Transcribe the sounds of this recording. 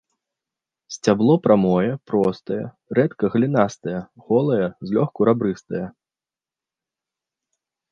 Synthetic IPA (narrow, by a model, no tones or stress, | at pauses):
sʲt͡sʲablˠɔpɾamɔjɛpɾɔst̪ɐjɛ̰ | ɾɛt̪kɐɣlʲinast̪ɐjɛɣɔlˠɐjɛzʲlʲɔxkuɾabɾɨst̪ɐjɛ